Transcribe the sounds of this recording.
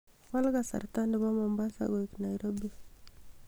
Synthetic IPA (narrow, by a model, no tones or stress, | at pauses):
kalɣasa̰ɾtandɛβamɔmbasa̰ɡɔiknaiɾɔbi